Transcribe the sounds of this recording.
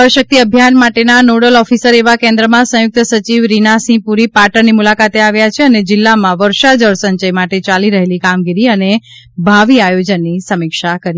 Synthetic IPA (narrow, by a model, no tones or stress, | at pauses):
əɾʃək̚t̪iəbʱjanmaʈenanoɽəlɔfisəɾeʋakẽnd̪ɾəmãsə̃jʊk̚t̪sət͡ʃiʋɾinasĩpuɾipaʈəɾnimulakat̪eaʋjat͡ʃʰeəned͡ʒɪlːamãʋəɾʃad͡ʒəɭsəɲd͡ʒəjmaʈet͡ʃaliɾəɦelikamɡiɾiəne | bʱaʋiajod͡ʒənːisəmɪkʃakəɾi